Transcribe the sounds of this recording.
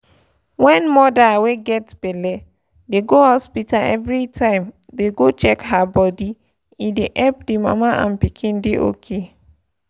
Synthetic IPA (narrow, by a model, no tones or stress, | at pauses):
wɛ̃nmɔdaweɡɛtb̥ɛlɛ | deɡohɔspitaɛ̰vɹitʰãɪ̃m | deɡot͡ʃɛkhabɔdi | ideʔɛpdima̰maʔã̰npikʰĩndeʔo̰kʰe